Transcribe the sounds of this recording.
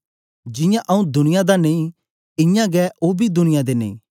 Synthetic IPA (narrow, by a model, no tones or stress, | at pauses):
d͡ʒɪjãʔɐũd̪ʊnɪjad̪anẽĩ | ɪjãɡɛʔoːbʱid̪ʊnɪjãd̪enḛ̃ĩː